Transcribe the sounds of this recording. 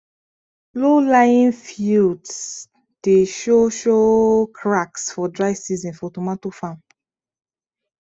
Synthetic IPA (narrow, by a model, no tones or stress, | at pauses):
lolajĩnfjuds | d̥eʃoʃokʰɹaksfɔdɹaɪsizɔ̃nfɔtɔmatofãn